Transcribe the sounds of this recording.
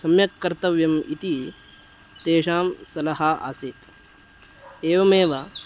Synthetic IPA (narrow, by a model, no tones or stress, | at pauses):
sɐmjɐkːɐɾt̪ɐʋjɐmḭt̪i | t̪eːʂaːmsɐlɐɦaʔa̰ːseːt̪ | eːʋɐmeːʋa